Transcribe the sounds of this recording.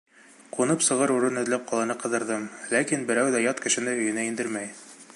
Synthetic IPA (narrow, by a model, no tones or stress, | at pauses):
qunɤpsɤ̆ʁɤɾuɾɤnɵ̆ðlæp̚qɒlˠɑ̆nɤqɤ̆ðɤ̆ɾðɤmlækinbɘ̆ɾæwðæjɒt̪kɘ̆ʃɘ̆nɘɵ̆jɘ̆næind̪ɘɾmæj